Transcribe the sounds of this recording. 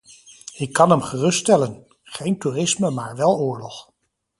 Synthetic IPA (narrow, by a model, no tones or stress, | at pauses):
ɪkːɑnɦɛmχərɵsttɛlən | χejnturɪsməmaːɹʋɛlˠʊːɹlɔχ